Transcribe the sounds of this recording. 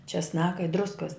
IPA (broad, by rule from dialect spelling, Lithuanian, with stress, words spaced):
t͡ʃʲɛsˈnɑːkɐ ɪ ˈdrʊskɐs